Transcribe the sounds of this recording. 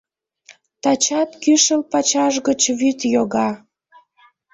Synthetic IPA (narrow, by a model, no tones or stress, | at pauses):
t̪ɑt͡ɕɑt̪kyʃəlpɑt͡ɕɑʒɣət͡ɕβyt̪joɣɑ